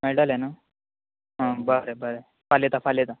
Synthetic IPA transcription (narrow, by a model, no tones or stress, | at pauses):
mɛɽalena | ɦãbəɾebəɾe | falet̪afalet̪a